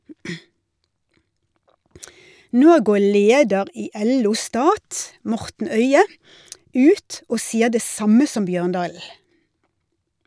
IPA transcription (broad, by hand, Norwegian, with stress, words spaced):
ˈnoː ˈɡoː ˈɭeːdəʁ ˈiː ˈʔɛˌluː ˈstɑːt ˈmɔʁtn̩ ˈœʏə ˈʉːt ˈoː ˈsiːə ˈdeː ˈsɑmə ˈsɔm ˈbjøːʁnˌdɑːl̩